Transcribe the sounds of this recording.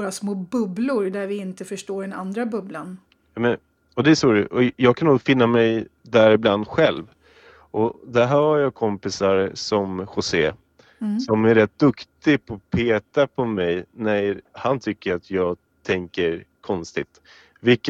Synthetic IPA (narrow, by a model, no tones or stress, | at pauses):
ɾasmoːbɵblʊɾd̪æɾvɪɪnt̪əfœʂʈoːɖɛna̰nd̪ɾabɵblan | mɛ | ɔd̪ɛːsʂoːɾəʔɔjɑːɡkʰanuːfɪnːamɛjd̪æɾɪbland̪ɧɛlv | ʔɔd̪ɛɦæːɾhaɾjɑːkʰɔmpɪsaɾsɔmɧʊseː | sɔmæɾɛt̪̚d̪ɵkt̪ɪpʰɔpʰeːt̪apʰɔmɛjnæjhant̪ʰʏkːəɾat̪ʰjɑːɡ | t̪ʰɛŋkəɾkʰɔnst̪ɪt̪ | vɪlkː